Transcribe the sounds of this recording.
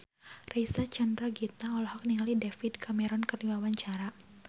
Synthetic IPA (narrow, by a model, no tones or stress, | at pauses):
rejsat͡ʃəndɾaɡit̪aɔlɔhɔk̚niŋalidefidkʰamɛɾɔnkɨrdiwawaɲt͡ʃaɾa